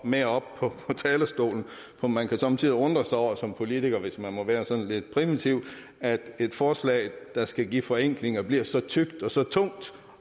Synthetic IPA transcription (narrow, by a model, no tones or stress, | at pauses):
meɐɒ̽b̥̚pʰɒ̽pʰɒ̽t͡sʰɛːləsd̥o̝̰ːln̩ | pʰɒ̽mænkʰæsɒ̽mt͡sʰið̰ˠiɔ̽nd̥ʁɐsɑɒ̰ɐsɒ̽mpʰo̝lit͡sʰiɡ̥ɐʋe̝smænmɒ̽ʋæːɐsɒ̽nle̝d̥pʰʁiʋit͡sʰiʊ̰ | æd̥e̝d̥fɒːslɛ̰ːɪd̥ɑ̈sɡ̥æɡḭːfɒ̽eŋ̰ɡ̥le̝ŋɐb̥liɐsɒ̽t͡sʰyɡ̥̚d̥ɒ̽sɒ̽t͡sʰɔ̽ŋ̰d̥